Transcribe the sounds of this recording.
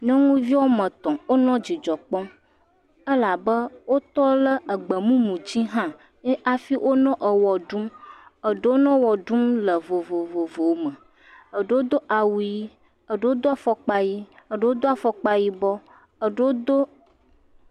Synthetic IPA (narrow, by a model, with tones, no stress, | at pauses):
ɲɔ̃˦ŋũ˦vi˦wo˦mə̃˨t̪ɔ̃˨wo˦nɔ̃˦d͡ʑi˨d͡ʒɔ˨k͡pɔ̃˦ | ə˦la˨bə˦wo˦t̪ɔ˦lə˦ə˨ɡ͡bə˨mũ˦mũ˨d͡ʑi˦ɦã˦ | ʔa˨fi˦wʔo˦nɔ̃˦ʔə˨wɔ˨ɖu˦mə˨ɖə˦wo˦nɔ̃˦wɔ˨ɖu˦mlə˨vo˨vo˨vo˨vo˨wmə̃˨ | ə˨ɖə˦wo˦d̪o˦ʔa˨wu˨ji˦ | ə˨ɖə˦o˦d̪o˦a˨fɔ˨k͡pa˦ji˦ə˨ɖə˦wo˦d̪o˦a˨fɔ˨k͡pa˨ji˦bɔ˦ | ə˨ɖə˦wo˦d̪o˦